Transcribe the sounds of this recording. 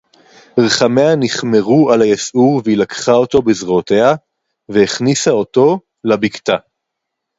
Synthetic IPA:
ʁeχameaniχme̞ʁualajasʔuʁveilakχao̞to̞bezʁote̞ha | veeχnisao̞to̞ | labikt̪a

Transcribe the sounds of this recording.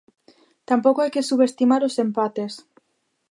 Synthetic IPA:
t̪ampokoajkesuβest̪imaɾosempat̪es

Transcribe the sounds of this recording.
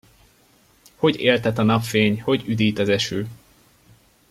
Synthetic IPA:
ho̞ɟeːlt̪ɛt̪ɒnɒpfeːɲho̞ɟyd̪iːt̪ɒzɛʃøː

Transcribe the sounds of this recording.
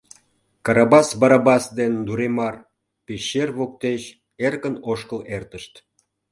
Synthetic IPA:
kɑɾɑbɑsbɑɾɑbɑsd̪end̪uɾemɑr | peɕːerβok̚t̪eɕ | erkənoʃkəlert̪əʃt̪

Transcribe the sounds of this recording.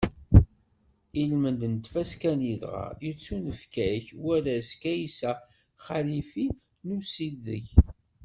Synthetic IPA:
ilmənd̪nt̪fæskæniðʁɑ̰jət͡sːunəfkæçwæɾæskæjisæ | χalifi | nusiðə̰ç

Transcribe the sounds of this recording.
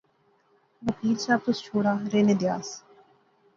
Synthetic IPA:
ʋəkiːlsaːb̚t̪ʊst͡ʃʰoːɽaːɾeːned̪ɪja̰ːs

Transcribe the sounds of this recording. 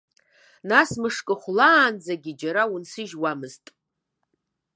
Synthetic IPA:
nasmɨʂkʼɨχʷlaːnd͡zaɡʲid͡ʒaɾawunsɨʒwamɨztʼ

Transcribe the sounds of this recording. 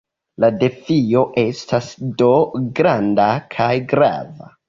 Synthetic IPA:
lade̞fio̞ʔe̞stasdo̞ɡɾandakʰajɡɾa̰va̰

